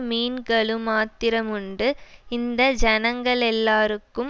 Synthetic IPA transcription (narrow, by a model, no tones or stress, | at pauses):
miːnɡɐɭɯmaːt̪ːɪɾɐmʊɳɖɯɪnd̪ɐd͡ʒɐnɐŋɡɐɭɛlːaːɾɯkːɯm